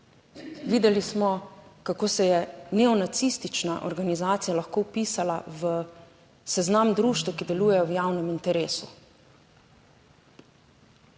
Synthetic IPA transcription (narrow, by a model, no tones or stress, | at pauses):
ʋiːd̪ɛlismɔkakoːsɛjɛnɛɔnat̪sist̪it͡ʃnaʔɔ̰ɾɡanizaːt̪sijalaxkoːwpiːsala̰ʋə | sɛznamd̪ɾuːʃt̪wəkid̪ɛluːjɛjɔwjaːwnɛmint̪ɛɾeːsu